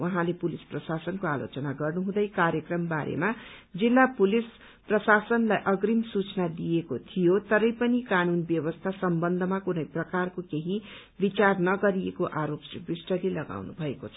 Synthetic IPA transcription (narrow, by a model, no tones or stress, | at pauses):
wʔʌɦãlepulisprʌsasʌnkoalo̰t͡sʌnaɡʌrnuɦũd̪ʌjkaɾjʌkrʌmbaɾʔḛmad͡zilːapulis | prʌsasʌnlajʔʌɡrimsut͡snad̪ijekot̪ʰijot̪ʌɾʌjpʌnikanunbjʌbʌst̪ʰasʌmbʌnd̪ʱʌmakunʌjprʌkarkokeɦi | bit͡sarnʌɡʌɾiekoʔaɾopsibrisʈʌlelʌɡa̰wnṵbʱʌekot͡sʰʌ̥